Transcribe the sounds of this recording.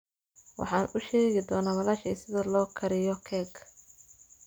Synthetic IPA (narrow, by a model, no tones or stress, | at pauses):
wɑ̰ħɑːnʊʃɛːɣɪd̪ɔːnawɐlaːʃɛ̰ːsɪðɐlɔːkʰɐɾɪjɔkʰɛːɡʰ